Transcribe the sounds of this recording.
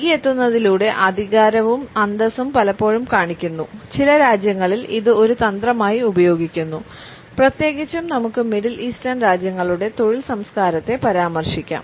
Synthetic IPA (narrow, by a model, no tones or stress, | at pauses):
ɡijet̪ːunːɐðiluːɽe̞ʔɐd̪ʱiɣaːɾɐʋumɐnd̪ɐsumpɐlɐpːo̞ːɻumkaːɳikʲːunːut͡ɕilɐɾaːd͡ʑjɐŋːɐɭiliðɨo̞ɾut̪ɐnd̪rɐmaːjiubɐjo̞ːɡikʲːunːu | prɐt̪je̞ːɡit͡ɕːumnɐmukːɨmiɽilʔiːslaːnɖɾaːd͡ʑjɐŋːɐɭuɽe̞t̪o̞ɻilsɐmskaːɾɐt̪ːe̞pɐɾaːmɐrʂikʲːa̰ːm